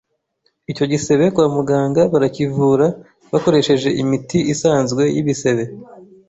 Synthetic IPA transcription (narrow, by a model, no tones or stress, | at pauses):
ico̞ɟise̞βe̞kwaːmuɡaːŋɡaβaɾacivuːɾa | βako̞ɾe̞ʃe̞ʒe̞ʔimitiʔisaːnzɡwe̞jiβise̞βe̞